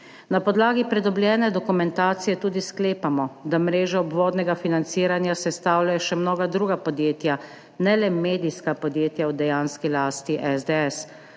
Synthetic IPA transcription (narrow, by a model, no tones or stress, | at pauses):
napɔd̪laːɡipɾɛd̪ɔblʲjɛːnɛd̪ɔkumɛnt̪aːt̪sijɛt̪uːd̪iskleːpamɔd̪amɾeːʒɔɔbʋoːd̪nɛɡafinant̪siːɾanjasɛst̪aːwlʲjajɔʃɛmnoːɡad̪ɾuːɡapɔd̪jeːt̪ja | nɛlɛmeːd̪iskapɔd̪jeːt̪jawd̪ɛjaːnskilaːst̪iʔɛzd̪eɛs